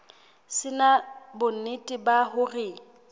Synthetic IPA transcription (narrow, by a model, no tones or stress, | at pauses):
sɪnabʊɪtʼɪbaɦʊrɪ